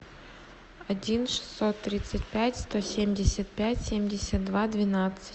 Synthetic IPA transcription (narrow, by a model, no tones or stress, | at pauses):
ɐdʲinʂɨ̥sːot̪ːɾʲit̪sɨtʲpʲætʲst̪osʲemʲdʲɪsʲət̪̚pʲætʲsʲemʲdʲɪsʲɐt̪̚d̪vad̪vʲɪnat̪sɨ̥